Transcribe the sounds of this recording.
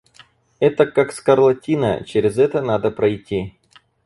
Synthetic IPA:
ɛt̪əkakskɐrlˠɐtʲinə̰t͡ɕɪɾʲɪzɛt̪ənad̪əpɾɐjtʲːi

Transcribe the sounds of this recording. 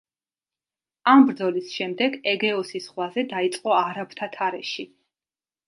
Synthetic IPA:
ambɾd̪zɔlisʃɛmd̪ɛɡɛɡɛɔsisχwazɛd̪ait̪sʼqʼɔaɾapʰt̪ʰat̪ʰaɾɛʃi

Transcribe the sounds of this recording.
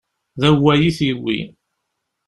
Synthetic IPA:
ðæwːæjiθwːḭ

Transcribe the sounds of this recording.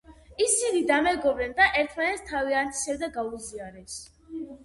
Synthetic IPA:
isinid̪amɛɡɔbɾɛnd̪aʔɛɾt̪ʰmanɛt̪st̪ʰaviant̪ʰi̥sɛbd̪aɡauziaɾɛs

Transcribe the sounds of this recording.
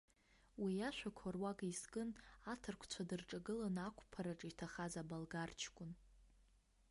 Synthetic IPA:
wijaʃʷᶣakʷʰarwaɡʼiskʼɨnatʰɨrkʷʰt͡ɕʷʰadɨrʈ͡ʂʼaɡɨlanakʷʰʼpʰaɾaʈ͡ʂʼitʰaχazabalɡart͡ʃʰkʷʼʊn

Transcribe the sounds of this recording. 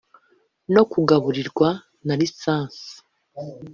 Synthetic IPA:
no̞kuɡaβuɾiɾɡwa | naɾisaːnsi̥

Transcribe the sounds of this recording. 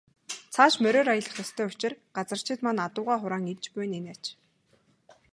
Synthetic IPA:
t͡sʰaːʃmœɾʲoːɾajə̆ɮə̆χɔst̪ʰœːʊt͡ɕɪ̆rɢat͡sə̆r̥t͡ɕʰɪ̆t̪manat̪ʊːʁaːχʊɾaːŋirt͡ɕpuj̆nenæt͡ɕ

